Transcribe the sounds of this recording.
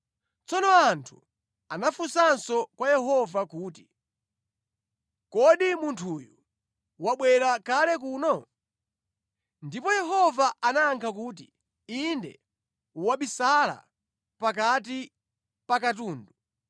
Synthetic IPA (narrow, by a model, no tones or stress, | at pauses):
t͡sɔnɔantʰu̥ | anafusansɔkwajɛɦɔvakuːti | kɔɗimuntʰuːju | waɓwɛɾakalɛkuːnɔ | ndipɔjɛɦɔvaʔanaːŋkʰakuːt̬i | indɛ̰ | uwaɓisala̰ | pak̬at̬i | pakatuːndu